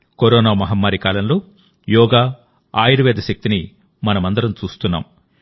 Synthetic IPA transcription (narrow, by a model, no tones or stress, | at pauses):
koɾɔːnaːmɐɦɐmːaːɾikaːlɐnloː | jɔːɡaː | aːjiɾɐʋɛːd̪ɐʃɐk̚t̪ini | mɐnɐmɐnd̪ɐɾɐmt͡ʃuːst̪unːa̰ːm